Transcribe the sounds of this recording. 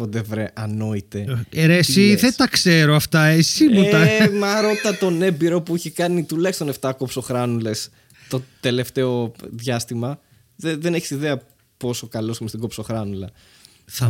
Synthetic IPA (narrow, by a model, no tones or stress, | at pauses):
od̪evɾeʔɐno̞it̪e̞eɾesiðet̪ɐkse̞ɾoɐft̪ɐesimuɐmɐɾo̞t̪ɐt̪one̞biɾo̞puiçekɐnit̪ulɐkst̪one̞ft̪ɐkopso̞xɾɐnule̞s | t̪o̞t̪e̞le̞ft̪e̞o̞ðʝɐst̪imɐ | ðeðe̞neçi̥siðe̞ɐ | po̞sokɐlo̞simest̪iɡopso̞xɾɐnulɐ | θɐ